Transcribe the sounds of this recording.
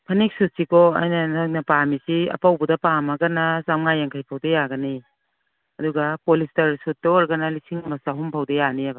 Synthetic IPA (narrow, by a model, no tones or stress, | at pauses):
pʰɐnik̚sut̚sikɔa̰jnɐnak̚nɐpamisiɐ̰pawbudɐpamɐɡɐnɐzamŋajaŋkʰajpʰawdejaɡɐni | ɐduɡɐpolistɐɾsut̚dɐɔɾɡɐnɐlisiŋmɐsaɦumpʰawdejaniɐbɐ